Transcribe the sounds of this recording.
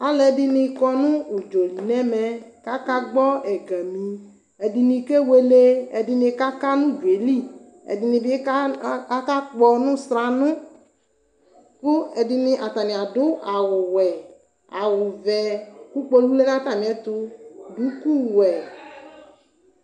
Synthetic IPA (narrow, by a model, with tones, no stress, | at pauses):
a˨lɛ˨di˦nĩ˧kɔ˦nʊ̃˦u˨d͡ʒo˨li˨nɛ˦mɛ˨ka˦ka˦ɡ͡bɔ˦ɛ˨ɡɛ˨mĩ˨ | ɛ˨di˧nĩ˧ke˦we˦le˦ɛ˨di˦nĩ˧ka˦ka˦nũ˦d͡ʒu˨e˨li˦ | ɛ̰˨di˨nĩ˧bi˦ka˦k͡pɔ˧nʊ̃˦sɾa˨nʊ̃˦ | kʊ˦ɛ˨di˨nĩ˦ʔa˨t̪a˨nĩ˨a˨dʊ˦a˨wʊ˨wɛ˨ | a˨wʊ˨vɛ˨ku˦k͡po˦lu˦le˦nã˦t̪a˦˨mĩ˨ɛ˦t̪ʊ˧du˨˦ku˦˨wɛ˨